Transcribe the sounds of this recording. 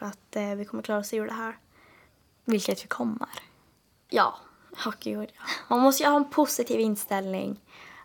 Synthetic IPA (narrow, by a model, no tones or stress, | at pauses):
ɾat̪vɪkʰɔmːəklɑːɾaɔseːuːɖ̪ɛɦæːɾ | vɪlkət̪vɪkʰɔmːə̰ɾ | jɑ̰ː | hɔkɪʊd̪jɑmanmɔst̪əjəhɑːɛnpʰʊsɪt̪ʰiːvɪnst̪ɛlnɪ̰ŋ